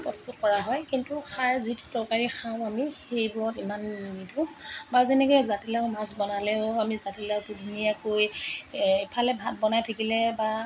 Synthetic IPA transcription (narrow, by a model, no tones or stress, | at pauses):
pɔst̪ut̚kɔɹaɦɔjkintuxaɹzitu̥tɔɹkaɹixʰaʊ̃amixejbʊɹɔtimannidʱubazɛnɛkɔjzatilaʊmasbɔnalɛʊamizatilawtudʱunijakoj | pʰalɛbʱat̚bɔnajtʰakilɛba